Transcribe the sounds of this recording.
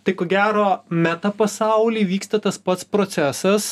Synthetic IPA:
t̪ɐɪkoːɡʲæːɾoːmʲæt̪ɐpɐsɑˑʊlʲiːʋʲiːkst̪ɐt̪ɐspɐt̪spɾoːt̪sʲæːsɐs

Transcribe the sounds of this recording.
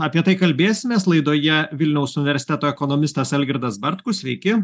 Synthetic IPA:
ɐːpʲiɛt̪ɐɪkɐlʲbʲeːsʲɪmʲeːslˠɐɪd̪oːjɛʋʲɪlʲnʲɛʊsʊnʲɪʋʲɛɾʲsʲɪt̪ʲɛt̪oːɛkoːnoːmʲɪst̪ɐsɛlʲɡʲɪɾd̪ɐsbɐɾt̪kʊsʲʋʲɛɪkʲɪ

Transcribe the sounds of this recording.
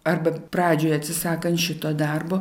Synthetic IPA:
ɐrbɐpɾɑːd͡ʒʲoːjɐt̪ʲsʲɪsɑːkɐnt̪ʃʲɪt̪oːd̪ɐrboː

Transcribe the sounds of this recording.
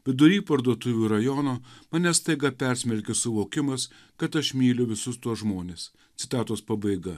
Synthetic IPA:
ʋʲɪd̪ʊɾʲiːpɐɾd̪uɔt̪ʊʋʲuːɾɐjɔnoːmɐnʲɛst̪ɐɪɡɐpʲɛɾʲsʲmʲɛɾʲkʲesʊʋoːkʲɪmɐs | kɐt̪ɐʃmʲiːlʲʊʋʲɪsʊst̪uɔsʒmoːnʲeːs | t̪sʲɪt̪ɑːt̪oːspɐbɐɪɡɐ

